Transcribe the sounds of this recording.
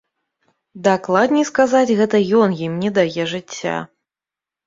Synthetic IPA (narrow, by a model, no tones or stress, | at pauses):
d̪aklˠad̪nʲiskazat͡sʲɣɛt̪ɐjɔnjimnʲɛd̪ajɛʐɨt͡sʲːa̰